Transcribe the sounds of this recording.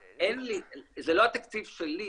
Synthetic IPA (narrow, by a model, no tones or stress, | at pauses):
enlizelo̞hat̪akt͡sivʃeli